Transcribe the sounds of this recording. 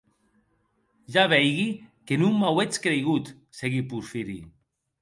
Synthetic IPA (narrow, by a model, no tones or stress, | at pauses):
ʒaβɛjɣikenuŋmawet͡skɾejɣut̪ | seɣipuɾfiɾḭ